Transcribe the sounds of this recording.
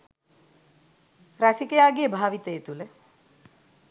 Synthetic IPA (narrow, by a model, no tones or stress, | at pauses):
ɾasikəjaːɡijəbʱaːʋit̪ejet̪ule